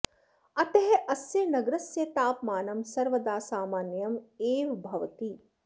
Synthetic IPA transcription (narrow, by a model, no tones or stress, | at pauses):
ɐt̪ɐɦeʔɐsjɐnɐɡɾɐsjɐt̪aːpmaːnɐmsɐɾʋɐd̪aːsaːmaːnjɐmeːʋbʱɐʋɐt̪i